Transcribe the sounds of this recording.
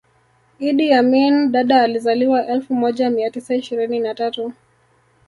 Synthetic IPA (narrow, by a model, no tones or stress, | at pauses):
iɗijaminɗaɗaːlizaliwaʔɛlfumɔʄamiatisaiʃiɾininatatu